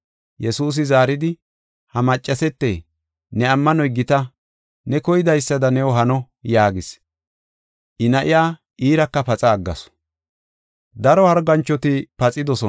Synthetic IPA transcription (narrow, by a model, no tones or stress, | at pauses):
jɛsuːs̬ɪzaːɾɪd̪ɪ | hɐmɐt͡ʃʼːɐsɛt̪ːḛː | nɛɐmːɐnɔjɡɪt̪ɐ | nɛkɔjɪd̪ɐjsːɐd̪ɐnɛwɔɦɐnɔ | jaːɡɪs | ʔɪnɐʔɪjaː | ʔiːɾɐkːɐpɐt͡sʼɐːɡːɐ̰sɔ̥ | d̪ɐɾɔhɐɾɡɐnt͡ʃːɔt̪ɪpɐt͡sʼɪd̪ɔsɔ